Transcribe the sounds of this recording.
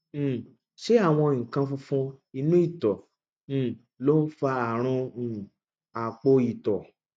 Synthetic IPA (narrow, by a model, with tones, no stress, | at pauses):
ʃe˦a˦˨w̃ɔ̃˧ŋ̩˨kã˧fũ˧fũ˧i˧nũ˦i˦˨tɔ̃˨ | lo˦n̩˦fa˧a˨ɾ̃ɔ̃˧˨ | a˨k͡po˧i˨tɔ˨